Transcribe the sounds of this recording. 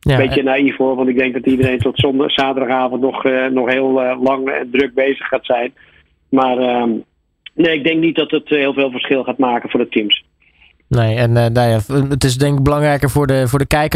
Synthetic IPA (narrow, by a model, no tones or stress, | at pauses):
jabejənaːifoːʋɔntɪɡ̚dɛŋk̚dɔtidəɾejntɔtsɔnsaːtərdɑχaːvɔn̩tnɔxnɔxɦeːlˠlɑŋɛ̰ndrøk̚beːzəχaːtsɛjn | marə | neːɪɡ̚dɛŋk̚nit̚dɔtətɦɪːlˠveːlˠvərsχɪlˠxaːtmaːkəfʊːdətʰims | nejɛnnajaətɪs̬dɛŋkɪk̚bəlɑŋrɛjkərfʊɹdəfʊːɹdəkɛjkə